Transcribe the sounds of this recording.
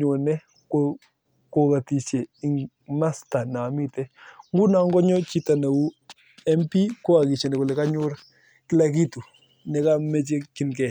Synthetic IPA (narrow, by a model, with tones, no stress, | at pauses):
ɲo˨nɛ˦ | ko | ko˨ka˨ti˨ʃe˨i˨ŋ | na˦sta˨na˨mi˦tɛ˦ŋ˦ɡu˦na˨˦ŋɡɔ˦ɲɔ˦t͡ʃi˦ta˨na˨wu˦ | ɛ˦mpi˦ko˦a˨ki˨t͡ʃe˨nɛ˨kɔ˨lɛ˨ka˦ɲʊ˦ɾ | kɪ˦la˦k̬i˦tu˨ | nɛ˨ka˦mɛ˦t͡ʃ̬e˦kɪ˦nkɛ˨